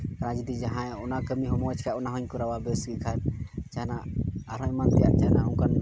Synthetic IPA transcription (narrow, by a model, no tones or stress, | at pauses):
ɾad͡ʒid̪id͡ʒaɦãɔnakəmiɦɔmɔɛt͡ʃʰkʰajɔnaɦɔɲkɔɾawabɛsɡikʰat͡ʃanaaɾɔjmant̪ɛjaɾ̚t͡ʃaɦnauŋkan